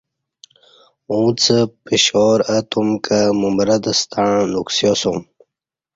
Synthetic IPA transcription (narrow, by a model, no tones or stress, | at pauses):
ũt͡sʰəpiɕoːɾət̪umkʰəmumɾɐd̪əst̪ʰaɻnuksjosom